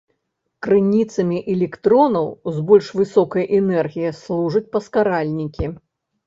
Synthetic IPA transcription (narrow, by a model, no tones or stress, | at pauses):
kɾɨnʲit̪sɐmʲiʔɛlʲɛkt̪ɾɔnɐwzbɔlʲʂvɨsɔkɐjʔɛnɛrɣʲijɐslˠuʐɐt͡sʲpɐskaɾalʲnʲikʲi